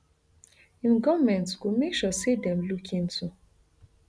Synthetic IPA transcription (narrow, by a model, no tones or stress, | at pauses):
ĩmɡɔvmɛ̃ntsɡomekʃɔsedɛ̃mlukʰĩntʰu